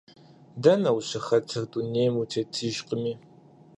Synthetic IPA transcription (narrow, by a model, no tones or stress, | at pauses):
dɐnɐwɕɐxɐtʰɨxduneːjmutʰeːtʰɨʒqəmiː